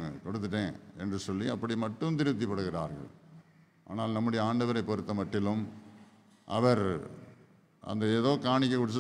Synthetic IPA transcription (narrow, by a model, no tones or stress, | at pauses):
kɔɽɯt̪̬ːɯʈːẽːɛndrɯsɔlːiɐpːɐɽimɐʈːɯmt̪ɪɾɯt̪̬ːipːɐɽɯɣɪɾa̰ːɾɣɐ̰ɭ | ʔa̰ːnaːlnɐmːʊɽɐjɐaːɳɖɐʋɐɾɐɪpːɔɾɯt̪ːɐmɐʈːɪlɯm | ʔɐ̰ʋɐɾ | ʔɐ̰nd̪ɐeːðoːkaːɳɪk̬ʲːɐkːʊɽɯt͡ʃ̬ːɐ